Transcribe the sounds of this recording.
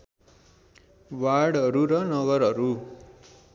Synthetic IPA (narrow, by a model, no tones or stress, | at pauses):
waɽʌɾuɾʌnʌbʌɾɦʌɾu